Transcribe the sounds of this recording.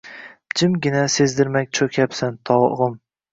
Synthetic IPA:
d͡ʒɪmɡʲɪnasezd̪ɪɾmakʲt͡ʃʰokʲʰapsant̪ʰɒwʁɨm

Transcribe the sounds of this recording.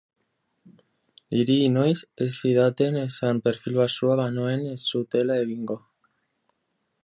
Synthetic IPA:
iɾiːnojsesiðat̪enesampeɾfilwasuaβanoenesut̪elaeβiŋɡo

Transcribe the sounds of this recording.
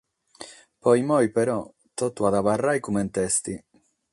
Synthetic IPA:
pɔjmɔjpɛɾɔ | t̪ɔt̪ːuaðavarːajkumɛnt̪ɛst̪i

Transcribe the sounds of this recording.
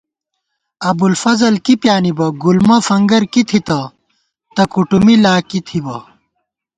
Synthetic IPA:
ɐbulfɐzɐlkipjaːnibɐɡulmɐfɐŋɡɐɾkit̪ʰit̪ɐ | t̪ɐkuʈumilaːkit̪ʰibɐ

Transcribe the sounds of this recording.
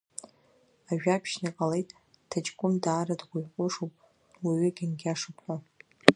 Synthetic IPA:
aʒᶣapʰʃniqʼalejtʼ | tʰat͡ʃʼɡʷʼʊmdaːɾadɡʷʊʕqʷʼʊʂupʼ | laɥʏɡʲɪnɡʲaʂɨpʷʰʼa

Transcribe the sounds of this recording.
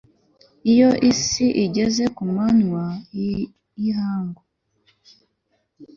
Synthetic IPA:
ijo̞ʔisiʔiɟe̞ze̞kumanwa | ihaːŋɡo

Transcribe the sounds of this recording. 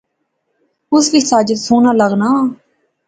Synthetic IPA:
ʊsʋɪt͡ʃʰsaːd͡ʒəd̪suːnaːləɡnaː

